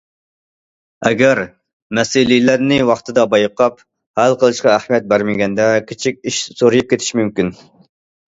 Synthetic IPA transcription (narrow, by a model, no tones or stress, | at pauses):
ɛɡʲæɾ | mɛsɪlijlæɾnɪwɑχt̪ʰɨd̪ɑbɑjqʰɑp | hælˠqəlˠɨʃqɑæhmijɛt̪̚bæɾmɪɡʲɛnd̪ɛkʲʰet͡ʃʰikʲiʃsoɾɨjup̚kʲet̪ʰɪ̥ʃmymkʲin